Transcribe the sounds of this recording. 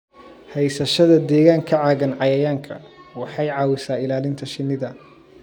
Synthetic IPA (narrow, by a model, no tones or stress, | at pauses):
hɛjsɐʃɐðɐd̪ɛːɣaːŋkʰɐʕɑːɣɐnʕɑjɐjaːŋkʰɐ̰wɑħɑjʕɑːwɪsaːɪlaːlɪnt̪ʰɐʃɪnːɪðɐ